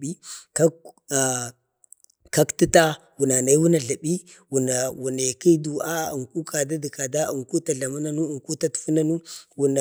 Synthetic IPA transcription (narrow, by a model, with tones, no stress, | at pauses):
i˦ka˦˨ | ka˦kti˦ta˦ | wu˨na˨na˨i˦wu˦na˨ɮa˨ɓi˦ | wu˨na˨wu˨ne˨ki˦du˨a˦ṵ˨ŋku˦ka˨da˦di˨ka˨da˦u˨ŋku˦ta˨ɮa˨mu˦na˦nu˦u˨ŋku˦ta˦tu̥˨fu˦na˦nu˦wu˨na˨